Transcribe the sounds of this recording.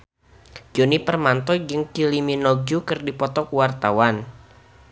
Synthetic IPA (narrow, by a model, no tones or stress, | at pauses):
d͡ʒonipərmant̪ɔd͡ʒɨŋkiliminɔɡukɨrdipɔt̪ɔkuwart̪awan